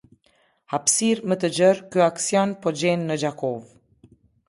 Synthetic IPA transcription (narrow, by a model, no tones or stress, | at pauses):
hapsiɾmət̪əd͡ʑəɾkyaksjɔnpɔd͡ʑɛnːəd͡ʒakɔv